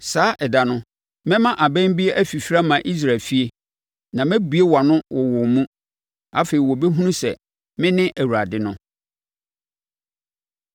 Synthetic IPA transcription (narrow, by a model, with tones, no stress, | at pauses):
saː˨˦ʔɛ˨da˨nʊ̃˦ | mɛ̃˦mã˦ʔa˨bɛ̃˦m˦bi˦e˦ʔæ˦fi˨fɾa˦mã˨ʔi˦s̬ɾa˨lfi˦e˦ | nã˨mɛ̃˦bu˨e˦wa˨nʊ̃˦wɔ˨wʊ˨mũ˦ | a˦fe˨ɾi˨wɔ˨be˦ɦũ˦nũ˦sɛ̰˨ | mɪ̃˦nɪ̃˦ʔæ˨wu˨ɾa˨dɪ˦nʊ̃˦